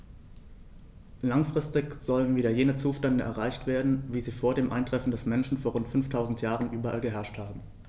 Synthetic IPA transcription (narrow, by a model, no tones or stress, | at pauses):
laŋfʁ̥ɪstɪçz̥ɔlənviːdɐjeːnət͡suːʃtɛndəʔɛ̰ɐʁ̞aɪçtv̥eːɐdn̩viːziːfoːɐdeːmʔa̰ɪntʁ̥ɛfn̩dɛsmɛnʃn̩foːɐʁʊntfʏnftʰaʊzn̩tjaːʁənʔyːbɐʔa̰lɡəɦɛɐʃthaːbm̩